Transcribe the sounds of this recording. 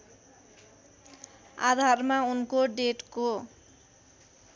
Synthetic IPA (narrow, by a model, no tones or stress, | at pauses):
a̰d̪ʱarmaunkoɖeʈko